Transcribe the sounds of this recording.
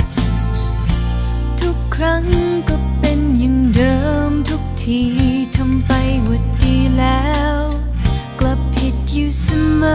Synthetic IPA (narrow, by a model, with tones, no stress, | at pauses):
t̪ʰu˦˥kʰːɾa˦˥ŋ | kɔ˧˥pe˧njɯ˨˧˩ŋdɤː˨mt̪ʰu˦˥k̚t̪ʰiː˧˩ | t̪ʰa˧mpa˧jwu˨˩t̚diː˧lɛː˦w | kla˨˩pʰːi˨˩t̚juː˨˧sa˧ma˦